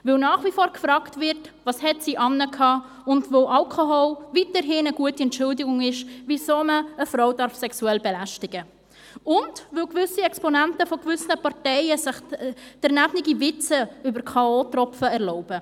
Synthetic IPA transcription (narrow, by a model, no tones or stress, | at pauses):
vɪlnɑːχvifoːɾkfɾɑːktvɪɾt | vɑshɛtsiːʔɑnːəkʰɑː | ʊndvoʔɑlkʰoɦolvitəɾɦɪnəɡuətiɛntt͡ʃʊldɪɡʊŋɪʃvisoːməəfɾoʊdɑɾfsɛksuɛlbɛlæʃtɪɡə | ʊndvɪlɡvʏsiɛkspɔnɛntəfɔɡvʏsnəpɑɾtɛɪəsɪχd̥ɛɾnæbnɪɡivɪt͡səybəɾkʰɑoːtrɔfəɛɾlɔʊb̥ə